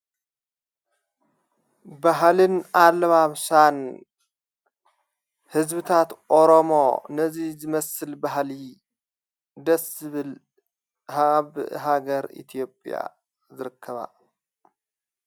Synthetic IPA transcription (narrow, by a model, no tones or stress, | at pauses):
baɦlɨnalːɐβaβsan | hɨzbɨt̪ʰat̪ʔoɾomo̞̰nɐzizɨmɐsɨlbaɦli | d̪ɐsɨβɨl | haβɦaɡɐɾḭt̪ʰijo̞pʼja̰ | zɨɾɨkʰːɐβa̰